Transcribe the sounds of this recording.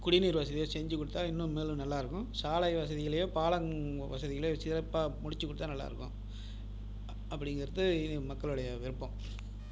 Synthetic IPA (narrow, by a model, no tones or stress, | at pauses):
kʊɽɪniːɾʋɐsɐðɪjoːsɛɲd͡ʒɯkːʊɽɯt̪ːaːɪnːʊ̃meːlɯ̃nɐlːaːɪɾɯkːʊ̃saːlɐjʋɐs̬ɐðɪjɐlɐjoːpaːɭɐŋʋɐsɐðɪjɐlɐjoːsɪɾɐpːaːmʊɽɪt͡ʃːɯkːʊɽɯt̪ːaːnɐlːa̰ːɪɾɯkːʊ̃ | ɐpːɐɽɪŋɡɪɾɐðɯmɐkːɐɭɯɽɐjɐʋɪɾɯpːɐ̃m